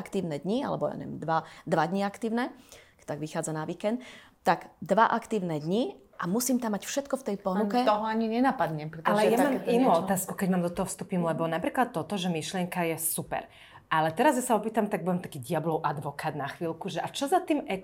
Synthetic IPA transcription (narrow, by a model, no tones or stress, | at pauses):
kt̪iːʊnɛd̪ɲia̰lɛ̰bɔja̰ɲɛ̰ʋɛ̰md̪ʋad̪ʋad̪ɲiakt̪iːʊnɛkt̪aɡʋixaːd͡zanaʋiːkɛnt̪ː | aɡd̪ʋaʔakt̪iːʊnɛd̪ɲi | ʔamusiːmt̪amːacfʃɛt̪kɔft̪ɛjpɔnukɛt̪ɔɦɔaɲiɲɛnapad̪ɲɛmpɾɛt̪alɛjamaɛinuɔt̪aːskukɛɟmaːmd̪ɔt̪ɔɦɔfst̪uːpimlɛbɔnapɾiːklat̪ːɔt̪ɔʒɛmiʃlɪɛŋkajɛsupɛ̰ɾ | alɛt̪ɛɾazjasaɔpiːt̪amt̪aɡ̚buʋɛmt̪ḁkiːdiablɔʊʔad̪ʋɔkaːd̪naxʋiːlkuʒɛʔat͡ʃɔzat̪iːmɛ